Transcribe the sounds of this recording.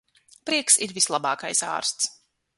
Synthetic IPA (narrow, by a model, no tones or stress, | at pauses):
pɾiɛksiɾvislˠabɑːkajsa̰ːɾst̪s